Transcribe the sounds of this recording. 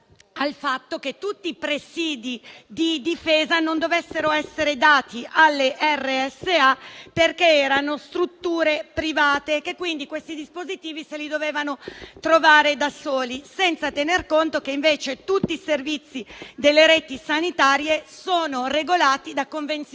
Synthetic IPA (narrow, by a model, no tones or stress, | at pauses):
alfat̪ːok̟et̪ːut̪ːiːpɾesiːd̪id̪id̪ifeːzanond̪ovesːeɾoɛsːeɾed̪aːt̪iʔalːeʔɛrːeɛsːeaperkeɛːɾanost̪ɾut̪ːuːɾepɾivaːt̪ekekːwind̪ikwest̪id̪ispozit̪iːviselid̪oveːvanot̪ɾovaːɾed̪asoːlisɛnt̪sat̪enerkont̪okeiɱveːt͡ʃet̪ut̪ːiːservit̪sːid̪elːeɾeːt̪isanit̪aːɾjesoːnoreɡolaːt̪id̪akːoɱvent̪s